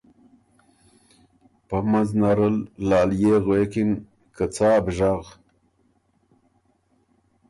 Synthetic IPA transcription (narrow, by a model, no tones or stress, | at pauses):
pamaznaɾəlːɑːljeːɣwekin | kət͡sɑːbʒaɣ